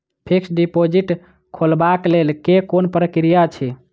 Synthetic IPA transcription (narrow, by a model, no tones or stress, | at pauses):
pʰiksɖipod͡ʒiʈ | kʰolbaklelkekonpɾəkɾijat͡ʃʰi